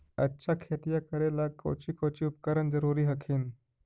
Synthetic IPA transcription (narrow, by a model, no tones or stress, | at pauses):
ə̰tːɕakʰet̪ijakəɾelako̰t͡ɕiːkot͡ɕiːupkəɾəɳd͡zəɾuɾiːɦəkʰiːn